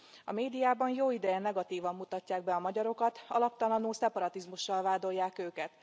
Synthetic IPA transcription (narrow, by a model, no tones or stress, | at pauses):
ɒmeːd̪ijaːbɒnjoːid̪ɛjɛnːɛɡɒt̪iːvɒmːut̪ɒcːaːɡ̚bɛɒmɒɟɒɾo̞kɒt̪ɒ̰lɒp̚t̪ɒlɒnuːsɛpɒɾɒt̪izmuʃːɒlvaːd̪o̞jːaːkøːkɛt̪